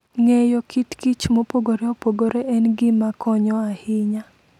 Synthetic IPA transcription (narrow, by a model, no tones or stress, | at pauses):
ŋejokitkit͡ʃmopoɡoɾeopoɡoɾeʔɛnɡɪmakʰɔɲɔahɪɲa